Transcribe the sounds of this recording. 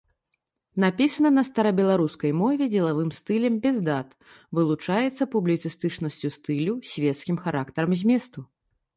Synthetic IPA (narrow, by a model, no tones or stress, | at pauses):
napʲisɐnɐnɐst̪ɐɾɐbʲɛlˠaɾuskɐjmɔvʲɛd͡zʲɛlˠavɨmst̪ɨlʲɛmbʲɛzd̪at̪ | vɨlˠut͡ʂajɛt̪sːɐpublʲit̪sɨst̪ɨt͡ʂnɐsʲt͡sʲust̪ɨlʲusʲvʲɛt̪skʲimxaɾakt̪ɐɾɐmzʲmʲɛst̪u